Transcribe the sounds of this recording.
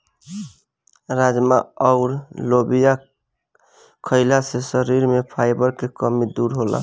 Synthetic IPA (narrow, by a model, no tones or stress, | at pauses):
ɾad͡ʒmaɔʊɾlobija | kʰəɪlasesəɾiɾmepʰaɪbəɾkekəmid̪uɾɦola̰